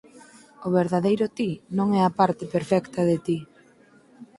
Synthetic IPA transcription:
ʊβeɾðaðejɾʊt̪inõŋɛapaɾt̪ɪpeɾfɛkt̪ɐðet̪i

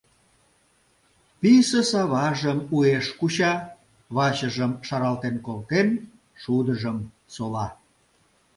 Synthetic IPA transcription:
pisəsɑβɑʒəmueʃkuɕɑ | βɑt͡ɕəʒəmʃɑɾɑlt̪enkolt̪en | ʃud̪əʒəm | solɑ

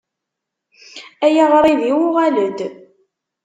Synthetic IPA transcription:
æjaʁɾˤiðiwʊʁaləd̪

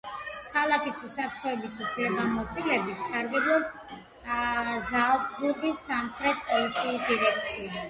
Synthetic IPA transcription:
kʰalˠakʰisusapʰɾt̪ʰχɔɛbisupʰlɛbamɔsilɛbit̪ʰsaɾɡɛblˠɔps | zalˠsɡuɾɡisːamχɾɛt̪̚ʰpʼɔlit̪sʰiːsd̪iɾɛk̚t̪sʰia

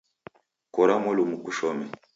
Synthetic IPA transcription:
kɔɾamɔlumukuʃɔmɛ

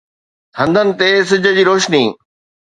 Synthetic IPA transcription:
t̪ʰɐ̃nd̪ʱənɪ̆t̪es̬ɪd͡ʑʱə̆d͡ʑiːɾoːʃniː

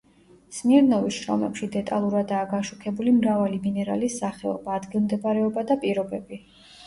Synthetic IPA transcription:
smiɾnɔviʃɾɔ̰mɛpʃid̪ɛt̪ʼa̰lˠuɾad̪aːɡaʃukʰɛbulimɾavaliminɛɾa̰lisːaχɛɔ̰baːd̪ɡilˠmd̪ɛbaɾɛɔbad̪apʼiɾɔbɛbi

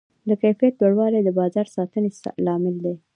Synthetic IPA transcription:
d̪əkajfijat̪loɽwɑled̪əbɑzɑɾsɑt̪əneslɑmɪld̪e

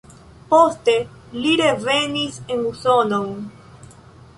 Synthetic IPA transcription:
po̞ste̞ | liɾe̞ve̞nise̞nuso̞now

